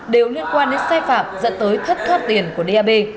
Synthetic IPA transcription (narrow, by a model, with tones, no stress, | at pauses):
ɗe˨˩wli˧ənkwaː˧nɗe˨˦nsaː˧jfaː˧˩m̚zə̰˧˨nt̪əː˨˦jt̪ʰə˦˥t̚xaː˦˥t̚t̪i˨˩ənku˧˩əɗe˧ʔaː˧ɓe˧